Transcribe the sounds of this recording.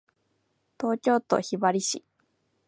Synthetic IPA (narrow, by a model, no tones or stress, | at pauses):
t̪o̞ːkʲo̞ːt̪o̰çibaɾʲiɕḭ